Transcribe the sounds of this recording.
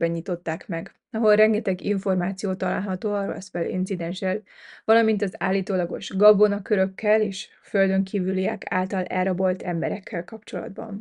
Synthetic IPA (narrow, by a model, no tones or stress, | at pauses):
bɛɲit̪ot̪ːaːkmɛɡ | ɒɦo̞lrɛŋɡɛt̪ɛɡiɱfo̞rmaːt̪sijoːt̪ɒla̰ːlɦɒt̪oːɒɾɛ̰sbɛlḭnt̪sid̪ɛnʃɛl | vɒlɒmint̪ɒza̰ːlːiːt̪oːlɒɡo̞̰ʃɡɒbo̞nɒkø̞ɾø̞kʰːɛleːʃ | føld̪ø̞ŋkʰiːvyliɛkʰa̰ːlt̪ɒlɛ̰rɒbo̞lt̪ʰɛmbɛɾɛkːɛlkɒpt͡ʃo̞lɒ̰d̪̚bɒ̰n